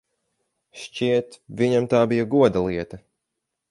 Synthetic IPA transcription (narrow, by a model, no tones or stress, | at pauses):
ʃt͡ʃiɛt̪vʲiɲamt̪aːbijaɡuɔd̪alˠiɛt̪ɐ